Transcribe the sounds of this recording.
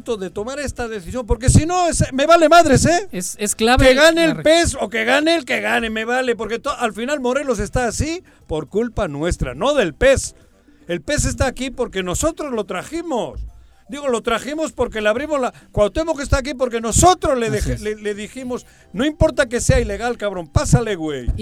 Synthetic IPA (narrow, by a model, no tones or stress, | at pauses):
t̪oðe̞t̪o̞maɾe̞st̪að̞e̞θisjo̞mpo̞ɾk̬e̞sino̞esme̞βale̞maðɾe̞sesesklaβeɣanelpeso̞keɣanelkeɣaneme̞βale̞po̞ɾke̞t̪oʔalfinalmo̞ɾe̞lo̞s̬e̞st̪aːsi | po̞ɾkulpanwe̞st̪ɾa̰no̞ðe̞lpe̞s | e̞lpe̞s̬e̞s̬t̪aːkipo̞ɾke̞no̞so̞t̪ɾozlo̞t̪ɾaximos | d̪iɣo̞lo̞t̪ɾaximo̞spo̞ɾke̞leaβɾimozlakwawt̪emokes̬t̪aːk̬ip̬o̞ɾk̬e̞no̞so̞t̪ɾo̞zleðexeleleðiximo̞s | no̞impo̞ɾt̪ake̞se̞aile̞ɣalkaβɾo̞npasale̞ɣwḛj